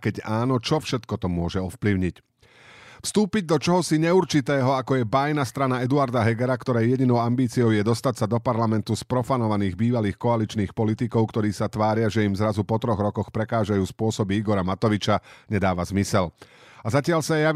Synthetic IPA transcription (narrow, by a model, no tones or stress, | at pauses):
kɛɟaːnɔt͡ʃɔfʃɛt̪kɔt̪ɔmʊɔʒɛɔfpliʊɲic | fst̪uːpiɟ̚d̪ɔt͡ʃɔɦɔsiɲɛuɾt͡ʃit̪ɛːɦɔakɔjɛbajnast̪ɾanaɛd̪uaɾd̪aɦɛɡɛɾakt̪ɔɾɛjjɛɟinɔʊambiːt͡siɔʊjɛd̪ɔst̪acsad̪ɔpaɾlamɛnt̪uspɾɔfanɔʋaniːɣbiːʋaliːxkɔalit͡ʃniːxpɔlit̪ikɔʊkt̪ɔɾiːsat̪ʋaːɾɪaʒɛimzɾazupɔt̪ɾɔɣɾɔkɔxpɾɛkaːʒajuːspʊɔsɔbiiɡɔɾamat̪ɔʋit͡ʃaɲɛd̪aːʋazmisɛl | azacɪaʎsaja